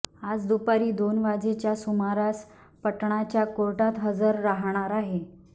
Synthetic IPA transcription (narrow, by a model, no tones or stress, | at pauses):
ad͡zd̪upaɾiːd̪onʋad͡zet͡ɕjasumaɾas | pəʈɳ̃at͡ɕjakoɾʈat̪ɦəd͡zəɾːaɦɽ̃aɾaɦe